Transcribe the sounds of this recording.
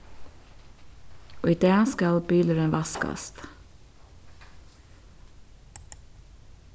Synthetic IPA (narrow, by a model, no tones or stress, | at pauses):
oːiːd̪eːskɑlbyːləɾənʋɑskɑ̰st̪